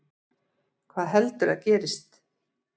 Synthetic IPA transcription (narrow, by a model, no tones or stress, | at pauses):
kʰvaːðɦɛlt̪ʏɾaðcɛːɾɪst̪